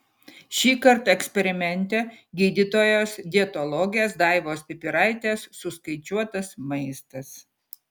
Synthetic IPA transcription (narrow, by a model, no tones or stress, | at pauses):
ʃʲiːkɐɾt̪ɛksʲpʲɛɾʲɪmʲɛnʲt̪ʲɛɡʲiːd̪ʲit̪oːjoːsd̪ʲiɛt̪ɔlˠɔɡʲɪjeːsd̪ɑˑɪʋoːspʲɪpʲɪɾɑˑɪt̪ʲeːsːʊskɐɪt͡ʃʲuɔt̪ɐsmɐɪst̪ɐs